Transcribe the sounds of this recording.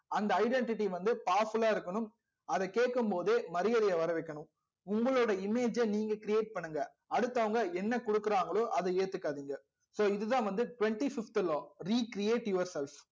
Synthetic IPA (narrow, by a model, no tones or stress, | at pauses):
ɐnd̪ɐːɪɖɛɳʈɪʈːiʋɐnd̪ɯpaːɾfɯlaːɪɾɯkːɐɳɯm | ɐðɛkeːʈ̚kːɯmpoːðeːmɐɾɪjɐðɐjɐʋɐɾɐʋɛɪkːɐɳɯm | ʊŋɡɐɭoːɽɐɪmeːd͡ʒɐniːŋɡɐkɪɾɪjeːʈ̚pɐɳːɯŋɡɐ | ɐɽɯt̪ːɐʋɐŋɡɐɛnːɐkɔɽɯkːɯɾaːŋɡɐɭoːʔɐðɯeːt̪ːɯkːaːðiːŋɡɐ | soːɪðɯt̪ãːʋɐnd̪ɯʈʊʋɛɳʈifɪft̪loːɾiːkɪɾɪeːʈjʊʋɐɾsɛlf